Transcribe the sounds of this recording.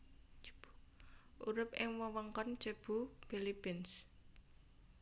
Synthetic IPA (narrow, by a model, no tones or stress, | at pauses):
ʔuɾɪp̚ʔɪŋwəwəŋkɔn̥ʒ̥ə̤b̥ṳpilipɪns